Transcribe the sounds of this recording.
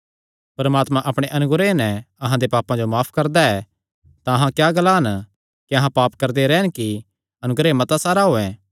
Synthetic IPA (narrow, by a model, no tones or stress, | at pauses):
pɐɾmaːt̪mãʔɐpɽ̃eʔɐnʊɡɾenɛ̃ɐɦãd̪epaːpːãd͡ʒomaːpʰkɐɾd̪aɛː | t̪ãɐɦãkjaːɡɐlaɦən | kiɐɦãpaːpkɐɾd̪eɾɛːnki | ɐnʊɡɾemɐt̪asaːɾaɦoːɛ̃ː